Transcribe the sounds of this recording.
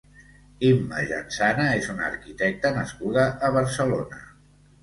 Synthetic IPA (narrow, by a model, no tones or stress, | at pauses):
imːə̰ʒa̰nsanəezunə̰ɾkit̪ɛk̚t̪ənəskuðəʔːβ̞əɾsəlonə̰